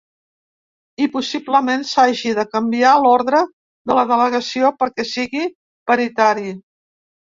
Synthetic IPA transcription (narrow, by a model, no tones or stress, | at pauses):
ipusibləmensaʒiðəkəmbialɔɾðɾə | ðələðələɣəsiopəɾkɛsiɣi | pəɾit̪aɾi